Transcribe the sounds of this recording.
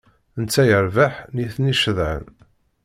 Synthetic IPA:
ənt͡sːæjəɾvaħniθniʃəðʕə̰n

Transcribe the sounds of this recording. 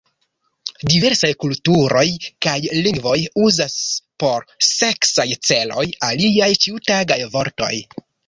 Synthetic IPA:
dive̞ɾsajkultuɾo̞jkajliŋɡvo̞juzaspo̞ɾse̞ksajt͡se̞lo̞jaliajt͡ʃiutaɡajvo̞ɾto̞̰j

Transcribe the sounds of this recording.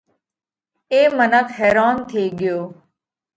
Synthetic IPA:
eːmənəkʰɦɛːɾaːnt̪ʰeːɠɪjoː

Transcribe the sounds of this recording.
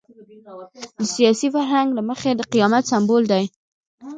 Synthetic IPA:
d̪əsijɑsifaɾɦaŋɡlaməxed̪əqijɑmat̪sambold̪aj

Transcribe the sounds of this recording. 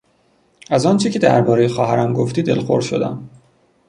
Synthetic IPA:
æzɒːnt͡ʃʰecʰe̞d̪æ̰ɾbɒːɾejexɒːɦæɾæmɡo̞ft̪iːd̪e̞lxoɾʃo̞̰d̪æ̰m

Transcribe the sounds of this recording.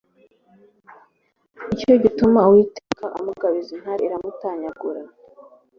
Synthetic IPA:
ico̞ɟitumawiːtekaʔamuɡaβizin̥haɾiɾamutaːɲaɡuɾa

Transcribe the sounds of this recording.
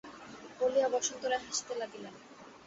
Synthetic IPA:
poliabɔʃont̪oɾaɦaʃt̪elaɡilen

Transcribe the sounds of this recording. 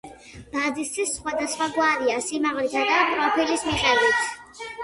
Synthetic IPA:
b̥ad̪isʰisːχwad̪asχwaɡwaɾiasimaʁlit̪ʰad̪apʼɾɔpʰilismiqʼɛbit̪ʰ

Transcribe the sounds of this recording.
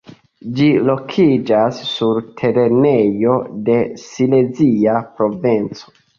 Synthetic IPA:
d͡ʒilo̞kʰid͡ʒasːuɾtʰe̞ɾe̞nejo̞de̞sileziapɾo̞vent͡so̥

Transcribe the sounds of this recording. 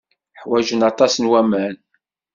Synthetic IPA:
ħwæʒənɑt̪ˤɑsənwæmæn

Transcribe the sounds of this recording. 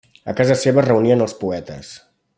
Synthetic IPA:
ə̰kazəseβərəuniənəlˠspuɛt̪ə̰s

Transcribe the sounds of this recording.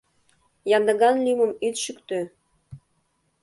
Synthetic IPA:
jɑnd̪əɣɑnliməmyt̪ʃykt̪ø

